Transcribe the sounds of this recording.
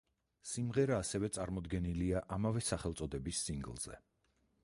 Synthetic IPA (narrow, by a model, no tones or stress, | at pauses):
simʁɛɾaːsɛvɛt̪sʼaɾmɔd̪ɡɛniliaʔamavɛsaχɛlˠt̪sʼɔd̪ɛbisːiŋɡlˠz̥ɛ̰